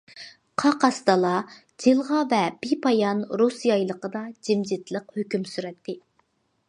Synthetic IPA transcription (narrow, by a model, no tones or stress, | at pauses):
qʰɑqɑst̪ɑlˠɑ | d͡ʒilˠʁɑvɛb̥ipɑjɑnɾusjɑjlˠəqəd̪ɑd͡ʒimd͡ʒɪt̪lˠəqhøkʲymsyɾɛt̪ʰːɪ